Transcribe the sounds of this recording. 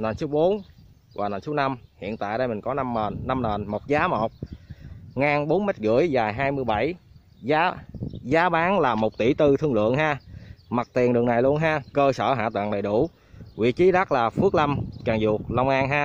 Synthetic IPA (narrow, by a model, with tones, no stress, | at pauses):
naː˨˩nso˨˦wɓo˨˦n | vwaː˨˩na˨˩nso˨˦na˧mhḭ˧˨ənt̪a̰ː˧˨jɗə˧jmï˨˩ŋ̟kɔ˨˦nː˧˨˩nːa˧mnəː˨˩nmo˨˩t̚zaː˨˦mo˨˩t̚ | ŋaː˧nɓo˨˦nme˦˥t̚ɣɨ̰˧˥əjzaː˨˩jɦaː˧jmɨ˧əjɓa˧˩j | zaː˨˦zaː˨˦ɓaː˨˦nlaː˨˩mo˨˩t̚t̪i˧˩t̪ɨ˧t̪ʰɨ˧ŋlɨ̰˧˨əŋɦaː˧ma˨˩t̚t̪i˨˩ənɗɨ˨˩əŋna˨˩jlu˧ənɦaː˧kəː˧səː˧˩ɦa̰ː˧˨t̪wa̰ː˧˨ŋɗə˨˩jɗu˧˩ | wḭ˧˨t͡ɕi˨˦ɗa˦˥laː˨˩fu˦˥ək̚la˧mkaː˨˩ŋzu˨˩ək̚lɔ˧wŋ͡mʔaː˧nɦaː˧